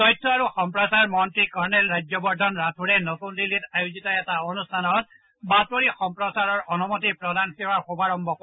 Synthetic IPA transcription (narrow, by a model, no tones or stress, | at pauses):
tɔjtʰːɔaɹuxɔmpɹɔsaɹmɔntɹikɔɹnɛlɹajd͡ʒjɔbɔɹdʱɔnɹatʰuɹɛnɔtundilitajuzitɔɛtaɔnustʰanɔt̚ | batɔɹixɔmpɹɔsaɹɔɹɔnɔmɔtipɹɔdankiwaɹxobaɹɔmbʱɔk